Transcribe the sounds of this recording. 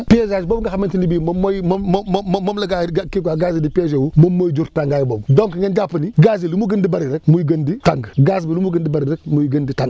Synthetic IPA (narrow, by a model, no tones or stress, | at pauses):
piezad͡ʒbobŋɡaxamentinibimmojmmomlaɡaɡakiɡʷaɡazidiped͡ʒewumomːod͡ʒuɾtaŋɡajbobdoŋkŋɡend͡ʒapəniɡazilumuɡəndibaɾiɾəkmujɡənditaŋɡɡaz̬bilumuɡəndibaɾiɾəkmujiɡənditaŋɡ